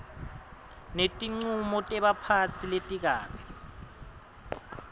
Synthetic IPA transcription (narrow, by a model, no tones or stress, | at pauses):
netʼiŋ͡ǀumɔtʼɛɓapʰat͡sʰiletʼik̬aːɓɛ